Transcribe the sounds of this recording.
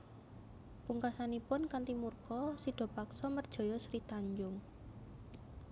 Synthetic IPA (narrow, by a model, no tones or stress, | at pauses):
puŋkasanipʊnkant̪imurkɔsiɖ̥ɔ̤paksɔmərd̥ʒ̥ɔ̤jɔsɾit̪aɲd͡ʒʊŋ